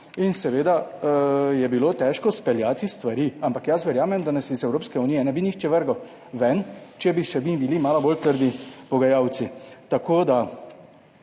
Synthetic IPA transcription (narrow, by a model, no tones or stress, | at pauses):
insɛʋeːd̪a | jɛbilot̪ɛːʃkɔspɛljat̪ist̪ʋaɾiampakjasʋɛɾjaːmɛmd̪anasizɛwɾoːpskɛunijɛnɛbinixt͡ʃɛʋəɾɡaw | ʋɛnt͡ʃɛbiʃɛbibilimaːlɔbolt̪əɾd̪ipɔɡajaːwt̪sit̪akoːd̪a